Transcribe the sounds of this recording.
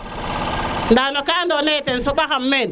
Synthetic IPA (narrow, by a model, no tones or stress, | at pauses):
ndanokaːndonetensoɓaxamːen